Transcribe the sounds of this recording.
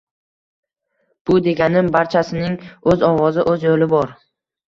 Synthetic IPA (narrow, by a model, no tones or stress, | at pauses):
b̥ʊd̪e̞ɡʲanɪmbaɾt͡ʃʰasɪnɪŋɵzɒwɒzɪʔɵzjolɪbɒɾ